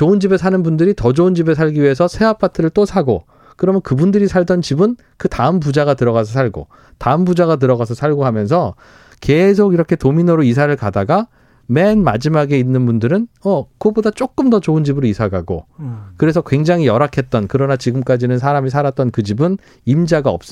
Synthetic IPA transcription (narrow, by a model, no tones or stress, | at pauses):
t͡ɕoɯnd͡ʑibesʰanɯnbundɯɾitʌd͡ʑoɯnd͡ʑibesʰaɭɡiɥie̞sʰʌsʰe̞apʰatʰɯɾɯɭt͈osʰaɡo | kɯɾʌmjʌnkɯbundɯɾisʰaɭdʌnt͡ɕibɯn | kɯtaɯmpud͡ʑaɣatɯɾʌɣasʰʌsʰaɭɡo̰ | taɯmbud͡ʑaɣat̬ɯɾʌɣasʰʌsʰaɭɡohamjʌns̬ʰʌ | ke̞s̬ʰoɡiɾʌkʰe̞tominʌɾois̬ʰaɾɯɭkadaɡa | me̞nmad͡ʑimaɡe̞inːɯnbundɯɾɯnʌkobodat͡ɕ͈ok͈̚ɯmdʌt͡ɕoɯnd͡ʑibɯɾoisʰaɡa̰ɡo̰kɯɾe̞sʰʌkwe̞ŋd͡ʑaŋijʌɾakʰe̞t̚t͈ʌnkɯɾʌnat͡ɕiɡɯmk͈ad͡ʑinɯnsʰaɾamisʰaɾat̚t͈ʌnkɯd͡ʑibɯn | imd͡ʑaɡaʌp̚s͈ʌ